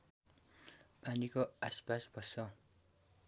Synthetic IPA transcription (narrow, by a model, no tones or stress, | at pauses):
panikoaspasbʱʌsʌ